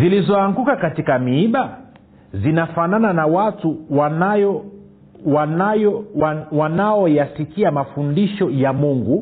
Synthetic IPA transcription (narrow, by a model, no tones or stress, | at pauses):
zilizɔaŋɡukakatikamiiɓa | zinafanananawatuwj | wan | wanaɔjasikiamafundiʃɔjamuŋɡu